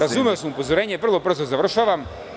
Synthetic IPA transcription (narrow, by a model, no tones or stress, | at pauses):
ɾazumɛosɐmupozoɾɛɲʲɛvr̩lˠobr̩zozaʋr̩ʃaʋam